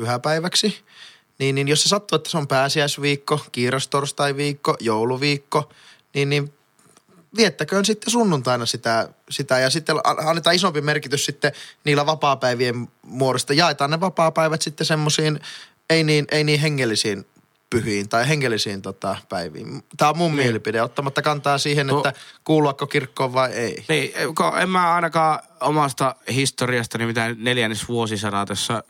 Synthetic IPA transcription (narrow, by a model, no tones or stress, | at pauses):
yhæpæiʋæksi | niːnninjosesɑt̪ːoet̪ːæseompæːsiæisʋiːkːokiːrest̪orst̪ɑiʋiːkːojouluʋiːkːo | niːnniʋ | ʋiet̪ːækøːnsit̪ːesunːunt̪ɑinɑsit̪æ | sit̪æjɑsit̪ːelɑ̰ɑnːet̪ɑːisompimerkit̪yssit̪ːeniːlːæʋɑpɑːpæiʋiemmuorost̪ɑjɑˑet̪ɑːnneʋɑpɑːpæiʋæt̪sit̪ːesemːosiːn | einiːnʔeiniːheŋːelːisiːn | pyhiːnt̪ɑiheŋːelːisiːnt̪ot̪ɑpæiʋḭːmt̪æːommummielipideot̪ːɑmɑt̪ːɑkɑnt̪ɑːsiːhenetːækuːluɑkkːokirkːoːʋʋɑieˑiniːkoḛmmæːɑˑinɑkɑːomɑst̪ɑhist̪oriɑst̪ɑnimit̪æneljænːesʋuosisɑnɑt̪osːɑ